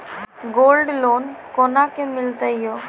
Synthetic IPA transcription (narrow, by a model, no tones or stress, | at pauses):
ɡoːlɖloːnkoːnakemɪlt̪əɦijo